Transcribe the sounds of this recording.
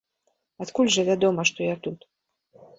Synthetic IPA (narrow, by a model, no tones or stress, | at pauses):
at̪kulʲʐɐvʲad̪ɔmɐʂt̪ɔjat̪ut̪